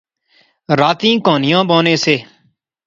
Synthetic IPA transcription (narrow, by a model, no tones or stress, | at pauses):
ɾaːt̪ĩːkoːnɪjãːboːneːseː